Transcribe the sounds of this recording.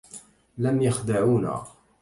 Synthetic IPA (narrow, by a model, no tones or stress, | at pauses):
lamjaxd̪aʕuːna̰